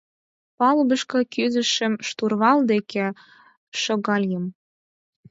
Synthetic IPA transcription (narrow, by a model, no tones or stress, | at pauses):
pɑlbə̆ʃkɤ̆kyzɘ̆ʃə̆mʃt̪urβɑld̪ekĕ | ʃŏɣɑlʲjəm